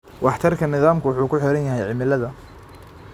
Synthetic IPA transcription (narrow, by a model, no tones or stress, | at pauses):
wʔɑħt̪ʰɐrkʰɐnɪðaːmkʰʊwʊħuːkʰʊħɪɾɐnjɐɦɛjʕɪmɪlɐðɐ